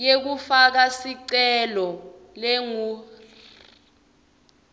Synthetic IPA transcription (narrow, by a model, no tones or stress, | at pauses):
jek̬ufak̬asiǀɛlɔ | leŋuː